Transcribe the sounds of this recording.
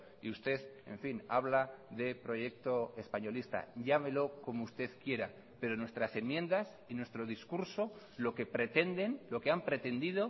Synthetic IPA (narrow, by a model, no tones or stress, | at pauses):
iust̪e̞θe̞̰ɱfinaβ̞laðe̞pɾo̞ʝe̞k̚t̪o̞e̞spaɲo̞list̪a̰ɟ͡ʝame̞lo̞ko̞moust̪e̞ðkje̞ɾa | pe̞ɾo̞nwe̞st̪ɾase̞nmjẽ̞nd̪as | inwe̞st̪ɾoðiskuɾso̞ | lo̞ke̞pɾe̞t̪e̞nd̪e̞nlo̞keampɾe̞t̪e̞nd̪ið̞o